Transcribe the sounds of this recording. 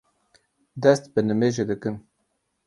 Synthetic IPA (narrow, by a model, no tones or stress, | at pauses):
d̪ɛst̪bɨnɨmeːʒed̪ɨkɨm